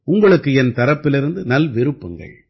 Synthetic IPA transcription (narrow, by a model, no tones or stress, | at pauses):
ʊŋɡɐɭɯkːɯɛnt̪ɐɾɐpːɪlɪɾɯnd̪ɯnɐlʋɪɾɯpːɐŋɡɐ̰ɭ